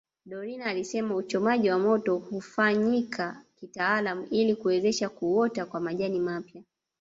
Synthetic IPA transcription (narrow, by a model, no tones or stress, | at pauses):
ɗɔɾinaːlisɛmaut͡ʃɔmaʄiwamɔtɔhufaɲikʰakitaːlamuʔilikuwɛzɛʃakuɔtakwamaʄanimapja